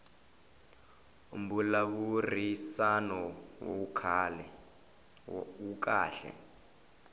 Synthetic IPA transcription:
ṵm̩bulaβurisanɔwo̰ukʰalɛ | uka̰ːɬɛ̰

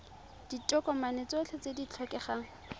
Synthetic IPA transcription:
d̥itʼɔkɔmanet͡sot͡ɬʰɔt͡sedit͡ɬʰɔkʼɛχaːŋ̩

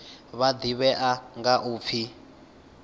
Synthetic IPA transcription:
βad̪iβɛʔaŋɡaʔuːp̪fʰi

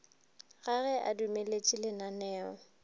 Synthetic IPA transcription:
ɣaɣɛʔa̰dumelet͡ʃʼilenanɛːɔ

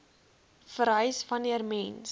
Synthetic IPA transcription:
fəɾɦœɥsfɐniərmɛns

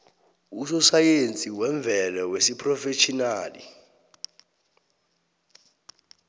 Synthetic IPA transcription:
usɔsajent͡sʼiwɛɱb̪vʱɛlawesipʰʼrɔfeʃʰʼinaːlḭ

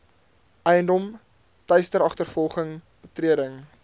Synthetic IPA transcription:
ʔɛjəndɔm | tɐjstəɾɑχtərfɔlˠχəŋ | b̥ətriədəŋ

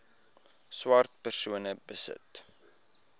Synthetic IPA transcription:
swɑrt̚pərsuənəbəsə̰t

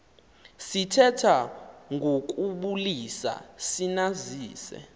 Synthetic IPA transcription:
sitʰɛtʰaŋʱok̬ʼuɓulisa̰sinaziːsɛ̰

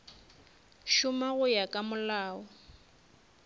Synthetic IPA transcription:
ʃʊmaɣʊjakʼamʊlaːɔ

